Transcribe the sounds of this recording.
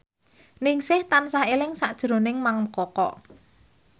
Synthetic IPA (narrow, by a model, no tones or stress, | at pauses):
nɪŋsɪht̪ansaɦelɪŋsaʔd̥ʒ̥ɾo̤nɪŋmaŋkɔkɔ̰ʔ